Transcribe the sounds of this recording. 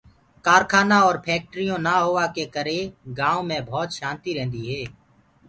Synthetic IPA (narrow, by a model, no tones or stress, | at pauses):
kaːɾkʰaːnaɔːɾpʰɛːk̚ʈɾijõnaɦoːʋakekəɾeɡãːõmẽbʱɔːt̪ʃãːnt̪iɾɛ̃ːnd̪iɦɛː